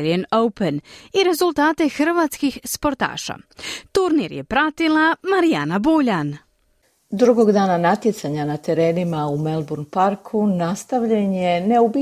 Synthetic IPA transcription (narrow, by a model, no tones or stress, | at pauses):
ɾienowpeniɾe̞zulˠt̪aːt̪e̞xɾʋaːt̪skixspo̞ɾt̪a̰ːʃa̰t̪uɾniɾjepɾat̪ilˠamaɾijanabuːʎan | d̪ɾuɡo̞ɡd̪aːnanat̪jet̪saɲanat̪e̞ɾe̞ːnimaumelˠbuɾnpaɾkʰunast̪aʋʎeɲjeneubi